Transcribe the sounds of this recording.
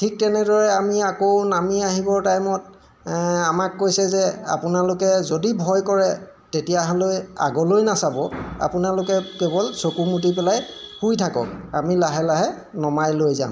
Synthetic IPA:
tʰik̚tɛnɛdɔɹɛamiakownamiaɦibɔɹtajmɔt̚ | amakːojsɛzɛa̰pʊnalʊkɛzodibʱɔjkɔɹɛ | tetijaɦɔloja̰ɡɔlojnasabɔa̰pʊnalʊkɛkebɔlsokumut̬ipɛlajhujtʰakɔ̰k̚amilaɦɛlaɦɛ | nɔmajlojza̰m

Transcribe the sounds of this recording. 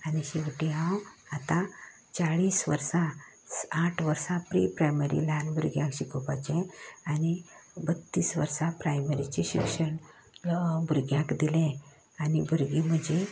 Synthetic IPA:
aniɕiʋʈiãwat̪ã | t͡saɭiːsʋə̰ɾsa | aʈʰʋəɾsapɾḭpɾajməɾḭlanbʱuɾɡjãkɕikʰɔpat͡ɕɛ̃anibət̪ːiːsʋə̰ɾsapɾajməɾit͡ɕeɕikʂəɳ | bʱuɾɡjãkd̪ilɛ̃ | anibʱuɾɡim̤əd͡ʑe

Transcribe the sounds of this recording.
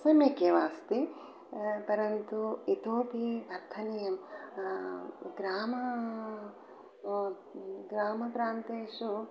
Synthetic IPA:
sɐmjɐkjɐʋaːst̪i | pɐɾɐnt̪uit̪oːpiʋɐɾt̪ʰɐnijɐm | ɡɾaːmɐ | ɡɾaːmɐpɾaːnt̪eːʂu

